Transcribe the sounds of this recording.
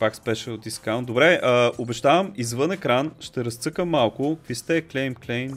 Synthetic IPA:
pakspɛʃɛod̪d̪iskawnt̪d̪obɾɛəobɛʒt̪avəmizvɤnɛkɾanʃt̪ɛɾɐst̪sɤkəmːalˠkʊkvist̪ɛklɛjmklɛjm

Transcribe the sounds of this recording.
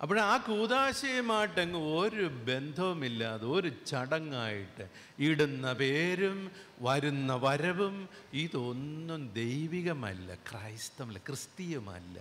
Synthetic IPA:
ʔɐp̬ːɐɽeaːkuːd̪aːɕɐjɐmaːjʈːeŋɡiɭoɾube̞nd̪ʱɐʋumilːaðɨo̞ɾut͡ɕɐɽɐŋːaːjiʈːɨ | iɽunːɐpe̞ːɾumʋɐɾunːɐʋɐɾɐʋumiːðo̞nːumd̪ejʋiɣɐmɐ̰lːɐ̰krɐjst̪ɐmɐlːɐkrɨst̪ijɐmɐ̰lːɐ̰

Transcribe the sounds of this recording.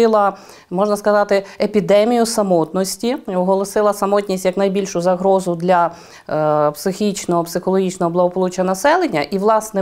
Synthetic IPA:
ɪlˠɐ | mɔʒnɐskɐzɑt̪ɪepʲid̪ɛmʲijʊsɐmɔt̪nɔsʲtʲiʊɦɔlˠɔsɪlˠɐsɐmɔtʲnʲisʲtʲjɐknɐjbʲilʲʃʊzɐɦɾɔzʊd̪lʲɐ | psɪxʲit͡ʃnɔɦɔpsɪxɔlˠɔɦʲit͡ʃnɔɦɔblˠɐɦɔpɔlˠut͡ʃɐɐnɐsɛlˠenʲːɐʔiʋlˠɑsnɛ

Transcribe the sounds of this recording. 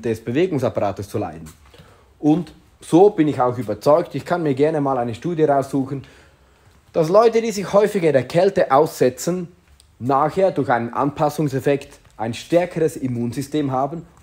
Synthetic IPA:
d̥ɛsb̥əveːɡʊŋsapaʁaːtəst͡sula̰ɪdn̩ | ʔʊnt | z̥oːb̥ɪnɪçaʊxyːbɐt͡sɔʏktɪçkʰanmiːɐɡɛɐnəmaːlaɪnəʃtuːdjəʁaʊsz̥uːxən̩ | d̥aslɔʏtədiːzɪçhɔʏfɪçaɪndeːɐkʰɛltəʔaʊsz̥ɛt͡sənː | aːxheːɐdʊɐçaɪnənʔa̰npʰasʊŋsɛfɛkt | ʔaɪnʃtɛɐkʰəʁəsimuːnzʏsteːmɦaːbn̩

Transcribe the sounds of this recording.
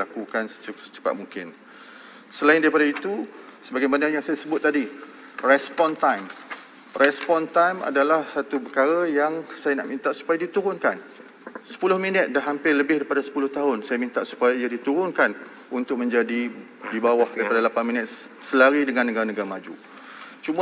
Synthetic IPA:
akukansət͡ʃsə̥t͡ʃə̥pa̰ʔ̪muŋkɪn | səlaɪndaɾipadait̪usəbaɡajmanajaŋsajasəbʊt̪̚ːadi | rɛspɔnt̪ajm | rʔɛspɔnt̪ajma̰dalahsat̪upəkaɾajaŋsajana̰ʔmint̪aʔsu̥pajadit̪uɾʊnkan | sə̥pulʊhminət̪̚daɦampɪrləbɪhdaɾipadasə̥pulʊht̪aɦʊnsajamĩnt̪aʔsu̥pajaijadit̪uɾʊnkan | unt̪ʊk̚mə̃ɲd͡ʒadi | dibawahdaɾipadalapanminət̪̚ | səlaɾidəŋãnːəɡaɾanəɡaɾamad͡ʒṵ | t͡ʃuma

